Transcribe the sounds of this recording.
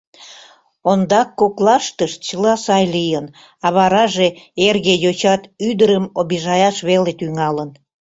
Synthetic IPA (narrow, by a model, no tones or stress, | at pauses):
ond̪ɑkːoklɑʃt̪əʃt͡ɕəlɑsɑjlijən | ɑβɑɾɑʒeerɣejot͡ɕɑt̪yd̪əɾəmoβiʒɑjɑʃβelet̪yŋɑlən